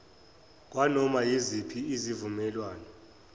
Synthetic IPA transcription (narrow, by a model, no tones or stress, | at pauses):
k̬ʼwanɔmajizipʰiizivumɛlwaːnɔ